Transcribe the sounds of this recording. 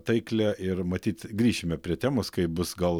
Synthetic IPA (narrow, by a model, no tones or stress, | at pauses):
t̪ɐɪklʲɛʔɪɾmɐt̪ʲiːt̪ɡɾʲiːʃʲɪmʲɛpʲɾʲiɛt̪ʲæːmoskɐɪbʊsɡɐlˠ